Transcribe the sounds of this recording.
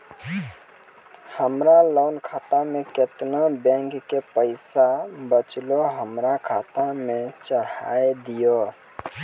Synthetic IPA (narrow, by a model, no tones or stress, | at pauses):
həmɾaləʊnkʰat̪ameket̪nabɛ̃ŋkːepəɪsabət͡ʃloɦəmɾakʰat̪amet͡ʃəɽaed̪ijo